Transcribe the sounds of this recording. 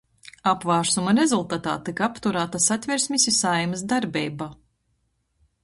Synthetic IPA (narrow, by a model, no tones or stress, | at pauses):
apvaːɾsumɐɾezulˠt̪at̪a̰ːt̪ikapt̪uɾaːt̪asat̪ʲvʲiɾsʲmʲisʲisajmɨsd̪aɾbʲɛjbaː